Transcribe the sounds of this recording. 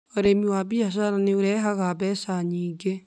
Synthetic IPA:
oɾemiwabiaʃ̬aɾaneoɾɛɦaɣaβɛsaɲiːŋɡe

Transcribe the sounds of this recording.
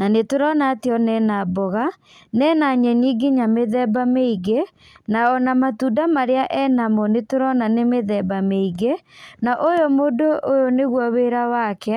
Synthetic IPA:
nanetoɾɔnateɔnɛnabɔɣa | nɛːnaɲɛniːɡeɲameðɛbameiɣe | naɔnamatudamaɾeaʔɛnamɔnetoɾɔnanemeðɛbameiɣenaʔojomodoʔojoneɣwaweːɾawakɛ

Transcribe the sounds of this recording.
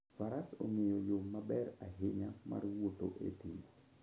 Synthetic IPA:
faɾaso̰ŋejojomːabɛraɦɪɲama̰rwoto̰ʔḛtimo

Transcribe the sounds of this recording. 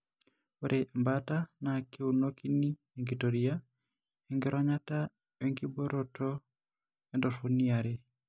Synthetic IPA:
oɾʔembatanakeunokini | eŋɡitoɾia | ɛŋɡɪɾʔɔɲata | weŋɡiboɾotʰɔ | ɛndɔfuniaɾe

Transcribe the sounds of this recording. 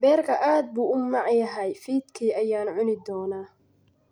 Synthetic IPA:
bɛːrkʰɐʔaːd̪̚buːʔʊmɑʕjɐɦɛjfiːd̪kʰiːʔɐjaːnʕʊnɪd̪ɔːnaː

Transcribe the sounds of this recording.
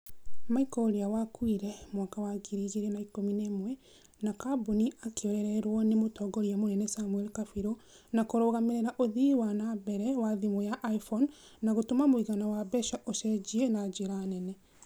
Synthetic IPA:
maikɔɾiawakwiɾɛmwakawaɡiɾiɣeɾenaikominemwɛ | nakaboniʔakeoɾɛɾɛɾwɔnemotɔːɡɔɾiamonɛnɛsamwɛlkafiɾo | nakoɾoɣameɾeɾaʔoðiwanabɛɾɛwaðimojaʔaifɔnː | aɣotomamoiɣanawabɛʃaʔoʃɛd͡ʒiɛnad͡ʒeɾanɛnɛ

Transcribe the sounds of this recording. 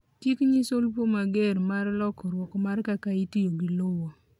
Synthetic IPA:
tjikɲisolpomaɡeɾmaɾlɔkɔɾwɔkɔmaɾkakaitijoɡilowɔ

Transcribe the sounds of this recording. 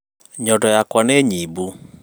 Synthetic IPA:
ɲɔdɔjakwaneɲibu

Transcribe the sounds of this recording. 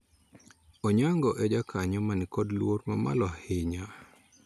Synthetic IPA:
ɔɲaŋɡɔʔɛd͡ʒakʰaɲɔmanikɔdlwoɾmama̰lɔhɪɲa

